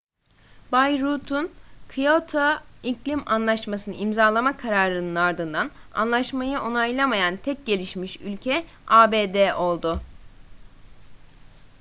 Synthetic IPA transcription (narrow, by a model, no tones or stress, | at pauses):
bajɾut̪ʰunkʰɯjot̪ʰaiclʲimanlˠaʃmasɯnɯʔimzaːlˠamakʰaɾaːɾɯnɯnaɾd̪ɯnd̪ana̰nlˠaʃmajɯʔo̞najlˠamajant̪ʰɛc̚ɟe̞lʲiʃmiʃylʲcʰɛ | aːbed̪ɛʔo̞lˠd̪ʊ